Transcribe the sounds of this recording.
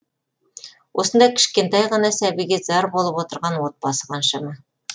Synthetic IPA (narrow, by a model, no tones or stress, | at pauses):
wʔosɤ̆nd̪ɑkʰɘ̥̆ʃkent̪ɑjʁɤ̆nɑsæβiɡiz̥ɑɾbolˠɤpwot̪ɤ̆ɾʁɑnwot̪̚b̥ɑsə̥qɑnʃɤmɤ